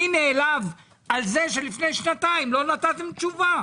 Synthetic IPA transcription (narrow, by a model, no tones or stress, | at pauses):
ineːlav | alzeʃe̞lifne̞jʃnat̪aimlo̞nat̪at̪e̞mt͡ʃuva